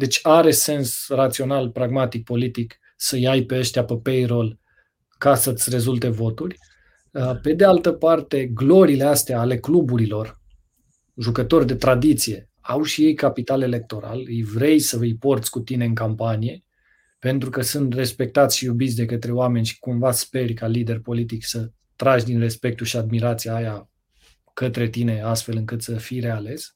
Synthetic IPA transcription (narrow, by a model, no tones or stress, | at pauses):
d̪e̞t͡ʃʲaɾe̞se̞nsrat̪sio̞nalpɾaɡmat̪ik̚po̞lit̪ik | səjajpe̞əʃt̪iapəpejro̞l | kasət̪sʲre̞zult̪e̞vo̞t̪urʲ | əpe̞d̪ealt̪əpart̪e̞ɡlo̞ɾiːle̞ast̪eaːle̞klubuɾilo̞r | ʒukət̪o̞rʲd̪e̞t̪ɾad̪it̪sije̞ | awʃije̞jkapit̪ale̞le̞k̚t̪o̞ɾa̰lɨjvɾe̞jsəɨjpo̞rt̪sʲkut̪ine̞ɨŋkampanije̞ | pe̞nt̪ɾukəsɨnt̪re̞spe̞k̚t̪at̪sʲʃijubit̪sʲd̪e̞kət̪ɾe̞oame̞nʲʃi̥kumvaspe̞rʲkalid̪e̞rpo̞lit̪iksə | t̪ɾaʒd̪inre̞spe̞k̚t̪uʃiad̪̚miɾat̪sijaːja | kət̪ɾe̞t̪ine̞ast̪fe̞lɨŋkɨt̪səfijɾe̞ale̞s